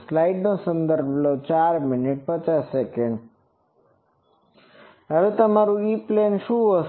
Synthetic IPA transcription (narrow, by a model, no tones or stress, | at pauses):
slaiɖnosə̃nd̪əɾbʱlot͡ʃaɾmɪnɪʈ̚pət͡ʃasːekeɳɖ | əʋet̪əmaɾuiplenʃũo